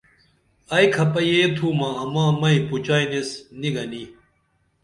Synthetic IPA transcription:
ɐjkʰɐpɐjeːt̪ʰuːmaɐmãːmɐiput͡ɕaːinesniɡɐni

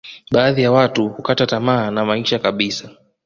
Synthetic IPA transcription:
ɓaːðijawatuhukatatamaːnamaiɲʃakaɓisa

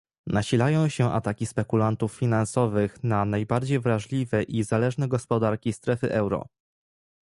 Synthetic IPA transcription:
naɕilajɔ̃w̃ɕɛʔa̰t̪akʲispɛkulant̪ufːʲinansɔvɘxnanajbaɾd͡ʑejvɾaʐlʲivɛʔizalɛʐnɛɡɔspɔd̪aɾkʲist̪ɾɛfɘʔɛwɾɔ̰

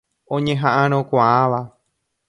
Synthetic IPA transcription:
õɲẽ̞ɦãʔãɾ̃õkʷaʔãʋa

